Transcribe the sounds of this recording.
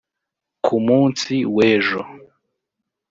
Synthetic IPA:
kʰumuːnsiweːʒo

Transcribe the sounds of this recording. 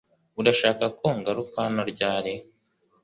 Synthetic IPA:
udaʃaːkakoŋɡaɾukaːnoɾɟaːɾe

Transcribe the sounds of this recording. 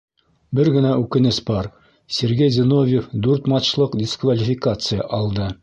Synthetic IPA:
bɘɾɡɘ̆næʔʉkɘ̆nɘsbɒɾ | sʲeɾɡejzʲɘ̆novʲjefd̪ʉɾt̪mɑt͡ɕlˠɤqdʲɪskvɐlʲɪfʲɪkat̪sɨjə̰ʔɒlˠd̪ɤ

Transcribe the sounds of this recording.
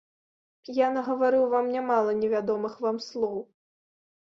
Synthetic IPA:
janɐɣɐvaɾɨwvamnʲamalˠɐnʲɛvʲad̪ɔmɨxvamslˠɔw

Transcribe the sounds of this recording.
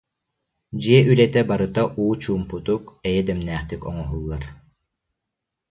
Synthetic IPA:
d͡ʑiɛʔylɛt̪ɛbaɾɯt̪aʔuːt͡ɕuːmput̪ukɛjɛd̪ɛmnæːχt̪ykɔŋɔɦulˠːaɾ

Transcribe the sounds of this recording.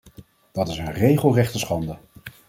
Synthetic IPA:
d̥ɑtɪsənrejχəlˠrɛχtəsχɑndə

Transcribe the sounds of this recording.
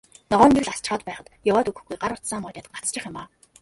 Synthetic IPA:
nɔʁœːŋɡerɮast͡ɕχɔːt̪̚pæːχə̆t̪jʊwɔːt̪ɵɣɘ̆xɡujɢaɾʊt̪saːmʊːt̪ʲaːt̪ə̥̆ɢat͡st͡ɕɪ̆χjʊmaː

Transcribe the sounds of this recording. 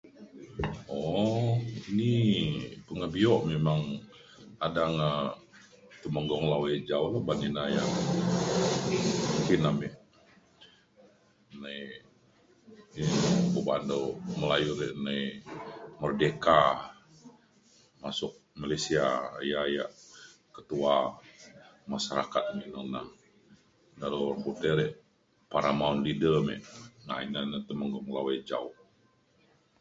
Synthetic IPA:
ɔ | ini | pəŋəbiɔʔmemaŋ | adaŋə | t̪əməŋɡɔŋlawed͡ʒaulabaninaja̰ʔ | muŋkinamɛʔ | nai | bəbandoməlajuɾeʔnai | mərdeka | masʊk̚malasiajajaʔkət̪ua | masaɾakat̪̚mɛʔnonah | daɾorkut̪ɛɾeʔ | paɾamaunlidəmḛʔŋa̰inanət̪əməŋɡoməlawed͡ʒaʊh

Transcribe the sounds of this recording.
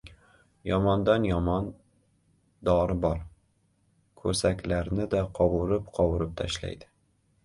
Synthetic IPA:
jɒmɒnd̪anjɒmɒn | d̪ɒɾɪbɒɾ | kʰɵsakʲlaɾnɪd̪aqʰɒwʊɾɪpqʰɒwʊɾɪp̚t̪ʰaʃla̰jd̪ɪ̥

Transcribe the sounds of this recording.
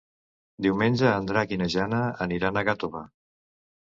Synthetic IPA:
d̪iwmenʲʒəːnd̪ɾakinəʒanəə̰niɾanəɣat̪oβa

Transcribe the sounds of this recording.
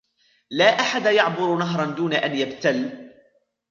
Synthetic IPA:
laːʔaħad̪ajɑʕbʊɾnaɦɾˤɑnd̪uːnaʔanjabt̪al

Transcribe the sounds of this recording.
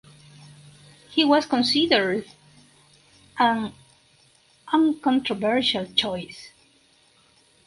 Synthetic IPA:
hiwʌskɔ̃nsidəɹd | ʔə̃n | ʔʌ̃ŋkɔ̃ntɾɔvɛɹʃalt͡ʃɔjs

